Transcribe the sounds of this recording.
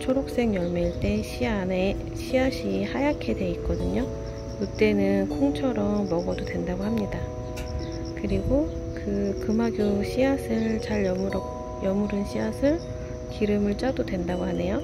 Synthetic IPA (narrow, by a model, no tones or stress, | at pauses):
t͡ɕʰoɾok̚s͈e̞ŋjʌɭmeiɭt͈e̞ɕʰiane | ɕʰiaɕʰihajakʰe̞dwe̞ik͈ʌdɯɲo | ut͈e̞nɯnkʰoŋt͡ɕʰʌɾʌmːʌɡʌdodwe̞ndaɡoɦamɲida | kɯɾiɡo | kɯkɯmaɡjoɕʰiasʰɯɭt͡ɕaɭʌ | jʌmuɾɯnɕʰiasʰɯɭ | kiɾɯmɯɭt͡ɕ͈adodwe̞ndaɡoɦane̞jo